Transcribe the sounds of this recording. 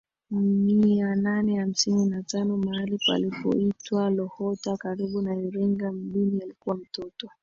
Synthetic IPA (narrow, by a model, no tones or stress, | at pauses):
miananɛham̩sininatanɔmaalipa̰lipɔ̰itwalɔhɔtakaɾiɓunajɔɾɛŋɡam̩ɗinialikuwam̩tɔtɔ